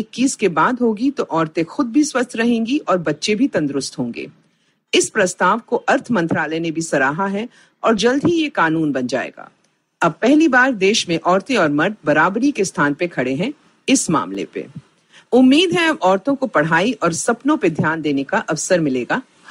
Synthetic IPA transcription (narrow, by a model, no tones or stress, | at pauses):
ekːiːskebaːd̪ɦoːɡit̪oʔɔːɾt̪ẽxʊd̪̚bʱiswɐst̪ʰɾɐɦẽːŋɡiʔɔːɾbɐtːʃebʱit̪ɐ̃nd̪ɾʊst̪ɦõːŋɡḛː | ɪspɾɐst̪aːʋkoʔɐɾt̪ʰmɐ̃nt̪ɾaːlɛjnebʱisɐɾaːɦaɦɛ | ɔːɾd͡ʒɐld̪ʱɦijekaːnuːnbɐnd͡ʒa̰ːḛːɡa̰ː | ɐb̚pɛɦlibaːɾd̪eːʃmẽʔɔːɾt̪ẽɔːɾmɐɾt̪bɐɾaːbɾikest̪ʰaːnpekʰɐɽeɦɛ̃ | ɪsma̰ːmlḛpḛ | ʊmːiːd̪ɦɛɐbɔːɾt̪õkopɐɽ̤aːiʔɔːɾsɐpnõped̪ʱjaːnd̪eːnekaʔɐʋsəɾmɪleːɡaː